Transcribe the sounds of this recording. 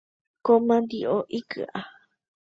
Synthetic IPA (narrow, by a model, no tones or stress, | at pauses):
komãnd̪iʔoʔikɨ̰ʔa